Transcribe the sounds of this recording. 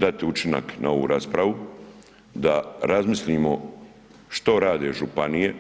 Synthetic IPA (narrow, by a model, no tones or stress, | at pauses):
d̪at̪iut͡ʃina̰kna̰o̞ʋṵːɾaːspɾaʋu | d̪aɾazmislʎʲiːmo | ʃt̪o̞ɾaːd̪e̞ʒupanije̞